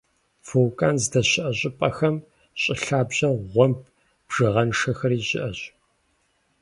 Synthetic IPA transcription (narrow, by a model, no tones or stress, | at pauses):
fowkʼaːnzdɐɕɪʔɐɕʼɪpʼɐxɐm | ɕʼɪɬaːbʑɐʁʷɔmp̚ʰ | b̥ʒ̥ɨʁɐnʂɐxɐriːɕʼɪ̰ʔɐɕ